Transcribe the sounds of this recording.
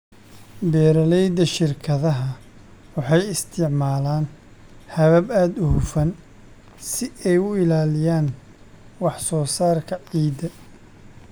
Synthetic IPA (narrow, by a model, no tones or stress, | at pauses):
bɛːɾɐlɛjd̪ɐʃɪrkʰɐðɐɦɐ | wɑħɑjɪst̪ʰɪʕmaːlaːn | hɐβɐbaːd̪ʊhʊfɐn | sɪɛjʊɪlaːlɪjaːn | wɑħsɔːsaːrkʰɐʕiːd̪ɐ